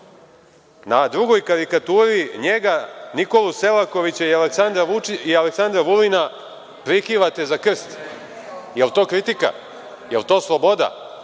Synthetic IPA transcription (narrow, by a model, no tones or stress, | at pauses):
nad̪ɾuɡo̞jkaɾikat̪uːɾiɲeɡaniko̞luse̞lako̞ʋit͡ɕaialeksand̪ɾauialeksand̪ɾaʋulina | pɾikiʋat̪e̞zakr̩st̪ | jelt̪o̞ːkɾit̪ika̰ | jelt̪o̞ːslˠobo̞d̪a̰